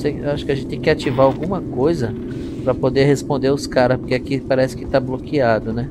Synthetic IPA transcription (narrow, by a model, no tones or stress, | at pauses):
sejaʃʊ̥kɪɐʒẽnɪt̪ẽkʲɪat͡ʃivaawɡũmɐkojzɐ | pɾɐpod̪ehespõnd̪eɾaʊskaɾɐspoɾkeakipaɾɛsɪ̥kɪ̥t̪ablokiad̪ʊnɛ